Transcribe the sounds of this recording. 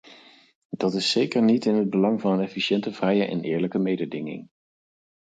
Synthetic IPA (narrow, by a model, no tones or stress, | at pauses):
dɑtɪsːejkəɹnitɪnɦəd̚bəlɑŋvɑnənɛfiʃɛntəvrɛjəʔɛ̰nʔɪːɹləkəmejdədɪŋɪ̰ŋ